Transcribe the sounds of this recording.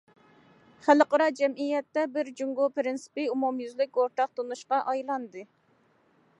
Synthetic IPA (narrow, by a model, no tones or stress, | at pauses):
χæləqɑɾɑd͡ʒɛmijɛt̪ːɛbɪɾd͡ʒuŋɡopɾɪnsɪ̥pɪumumjyzlɪkʲoɾt̪ɑq̚t̪onuʃqɑʔɑjlˠɑnd̪ɨ